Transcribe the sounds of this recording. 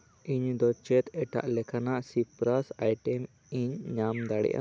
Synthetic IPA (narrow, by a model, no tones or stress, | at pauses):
ʔiɲd̪ɔt͡ʃɛt̪ɛʈa̰ʔlɛkʰanaʔsipɾasajʈɛm | iɲɲamd̪aɽɛ̰ʔa̰